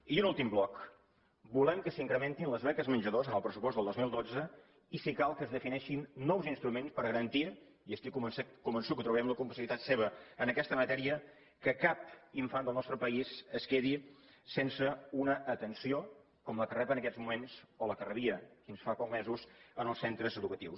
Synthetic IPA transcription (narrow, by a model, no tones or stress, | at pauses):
iunulˠt̪imblɔk | bulɛmkəsiŋkɾəment̪inləzβɛkəzmənʲd͡ʒəðozənəlˠpɾəsupɔst̪əlˠozmilˠd̪od͡zə | isikalˠkəzðəfinɛʃinːɔwzinst̪ɾumenspəɾɣəɾənt̪i | iəst̪ikuməskumbənsukət̪ɾuβɛmləkumpəsiit̪at̪seβ̞əənəkɛst̪əmət̪ɛɾiə | kəkap̚iɱfand̪əlˠnɔst̪ɾəpəisəskeði | sensəunəʔːt̪ənsio | kɔmləkərɛpənəkɛzmumensoləkərəβiəfinsfapɔk̚mezusənəlˠsent̪ɾəzəðukət̪iws